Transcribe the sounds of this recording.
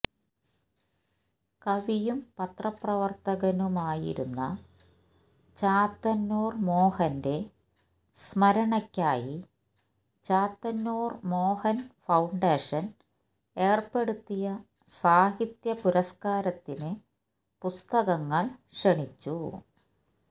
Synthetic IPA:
kɐʋijumpɐt̪rɐprɐʋɐrt̪ɐɣɐnumaːjḭɾṵnːɐ̰ | t͡ɕaːt̪ːɐnːoːrmo̞ːhɐnde̞ | smɐɾɐɳɐkʲːaːji | t͡ɕaːt̪ːɐnːoːrmo̞ːhɐnfɐwɳɖeːʂɐn | e̞ːrpe̞ɽut̪ːijɐ | saːhit̪jɐpuɾɐskaːɾɐt̪ːinɨ | pust̪ɐɣɐŋːɐɭʂeɳit͡ɕːu

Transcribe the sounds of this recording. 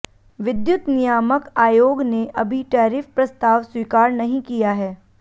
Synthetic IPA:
ʋɪd̪jʊt̪nijaːməkaːjoːɡneʔɐbʱiʈaːɾɪfpɾɐst̪aːʋswiːkaːɾnɐɦĩkijaɦɛː

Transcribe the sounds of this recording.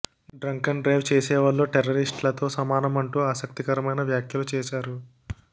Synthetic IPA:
ɖɾɐŋkɐnɖɾɐjʋt͡ʃeːsɛːʋɐlːo̞ːʈeɾːɐɾisʈlɐt̪o̞ːsɐmaːnɐmɐɳʈuːaːsɐk̚t̪ikɐɾɐmɐjnɐʋjaːkʰjɐlut͡ʃɛːʃaːɾu

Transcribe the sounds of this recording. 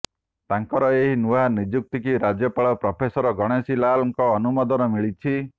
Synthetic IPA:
t̪aŋkɔɾɔeɦinuɦanid͡ʒuk̚t̪ikiɾad͡ʒjɔpaɭɔpɾɔpʰesɔɾɔɡɔɽ̃esilalɔŋkɔːnumɔd̪ɔnɔmiɭit͡ʃʰi

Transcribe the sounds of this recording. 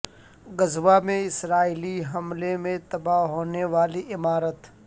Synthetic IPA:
ɡəzʋamẽɪsɾaːiliɦɐmlemẽt̪ɐbaɦoːneʋaːliʔɪmaːɾət̪

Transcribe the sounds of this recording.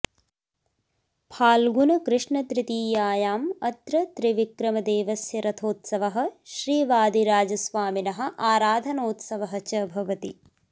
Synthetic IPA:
pʰaːlɡunɐkɾɪʂɳɐt̪ɾɪt̪iːjaːjaːmɐt̪ɾɐt̪ɾiʋikɾɐmɐd̪eːʋɐsjɐɾɐt̪ʰoːt̪sɐʋɐɦɐ̆ʃɾiːʋaːd̪iɾaːd͡ʒɐsʋaːminɐɦɐ̆ʔaːɾaːd̪ʱɐnoːt̪sɐʋɐɦɐt͡ʃɐbʱɐʋɐt̪ḭ

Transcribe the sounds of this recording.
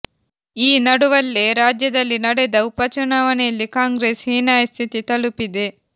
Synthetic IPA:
iːnɐɽuʋɐlːeːɾaːd͡ʒjɐd̪ɐlːinɐɽed̪ɐwpɐt͡ʃunaʋɐneːlːikaːŋɡɾeːshiːnaːjst̪ʰit̪it̪ɐlupid̪e

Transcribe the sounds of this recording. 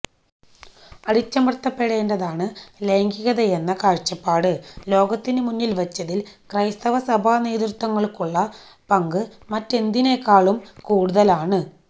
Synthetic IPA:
ɐɽit͡ɕːɐmrt̪ːɐpːe̞ɽe̞ːndɐðaːɳɨle̞ːŋɡiɣɐðɐenːɐkaːɻt͡ɕɐpːaːɽɨlo̞ːɡɐt̪ːinɨmunːilʋɐt͡ɕːɐðilkrɐjst̪ɐʋɐsɐbʱaːneːðrut̪ːwɐŋːɐɭkuɭːɐ | pɐŋɡɨmɐtːe̞nd̪ine̞kːaːɭumkuːɽuðɐlaːɳɨ

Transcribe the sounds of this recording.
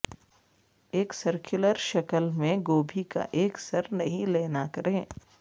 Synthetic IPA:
eːksɐɾkʰʊləɾʃɐkəlmẽɡoːbʱika̰ʔeːksɐɾnɐɦĩleːnakɐɾẽː

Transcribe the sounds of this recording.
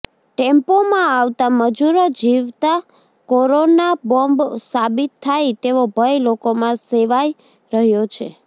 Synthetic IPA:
ʈempomãaʋt̪aməd͡ʒuɾod͡ʒiʋt̪a | koɾonabɔmbsabit̪ʰːajt̪eʋobʱəjlokomãseʋaj | ɾəɦjot͡ʃʰḛ

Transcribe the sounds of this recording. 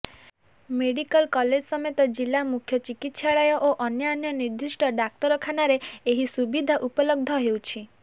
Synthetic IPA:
meɽikɔlkɔled͡ʒsɔmet̪ɔd͡ʒilamukʰjɔt͡ʃikit̪saɭajɔʔoʔɔnjɔnjɔniɾd̪ʱisʈɔɖak̚t̪ɔɾɔkʰanaɾeeɦisubid̪ʱaʔupɔlɔɡ̚d̪ʱɔɦewt͡ʃʰi

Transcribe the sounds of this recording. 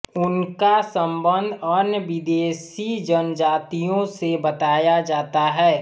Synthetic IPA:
ʊnkasə̃mbə̃nd̪ʱənjəʋɪd̪eːsid͡ʒənd͡ʒaːt̪ijõsebɐt̪aːjad͡ʒaːt̪aɦɛː

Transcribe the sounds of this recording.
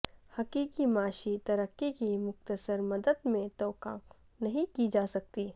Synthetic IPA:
hɐkiːkimaːʃit̪ɐɾəkːikimʊxt̪əsəɾmɐd̪əd̪mẽt̪ɔːkãːk | nɐɦĩkid͡ʒaːsɐk̚t̪iː

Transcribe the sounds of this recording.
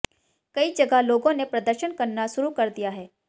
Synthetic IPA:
kɐid͡ʒɐɡaloːɡõnepɾɐd̪əɾʃənkɐɾnaʃʊɾukɐɾd̪ijaɦɛː

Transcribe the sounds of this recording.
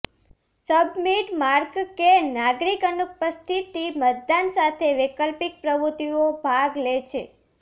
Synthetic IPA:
səbmiʈmaɾɡkenaɡɾikənupəst̪ʰit̪imət̪̚d̪ansat̪ʰeʋɪkəlpik̚pɾəʋɾut̪iobʱaɡlet͡ʃʰe

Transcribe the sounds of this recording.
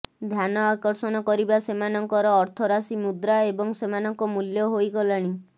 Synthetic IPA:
d̪ʱjanɔakɔɾsɔnɔkɔɾibasemanɔŋkɔɾɔːɾt̪ʰɔɾasimud̪ɾaebɔŋsemanɔŋkɔmuljɔɦojɡɔlaɽ̃i

